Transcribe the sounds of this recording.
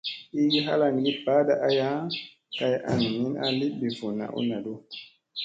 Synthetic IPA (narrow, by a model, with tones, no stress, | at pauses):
i˦ɡi˦ɦa̰˦la˨ŋ˨ɡi˦ba˦da˨ʔa˦ja˦ | ka˨jʔa̰˨ŋ˨mi˦na̰˨li˦bi˨vu˨nːa̰˨ʔṵ˦na˨do˦